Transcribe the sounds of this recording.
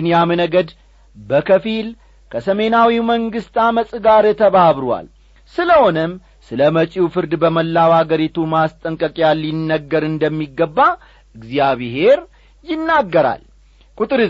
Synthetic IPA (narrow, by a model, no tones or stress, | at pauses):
njamɨnəɡəd̪ | bəkʰəfil | kʰəsəme̞nawiməŋɡɨst̪aməsʼɨɡaɾt̪ʰəβaβɾwa̰l | sɨləho̞nəm | sɨləmət͡ʃʼiwfɨɾd̪bəməlːawhaɡəɾit̪ʰumast̪ʼəŋkʼəkʼjalːinːəɡːəɾɨnd̪əmːiɡːəbːa | ɨɡzijaβɦe̞ɾ | jɪnːaɡːəɾa̰l | kʼut̪ʼɨɾ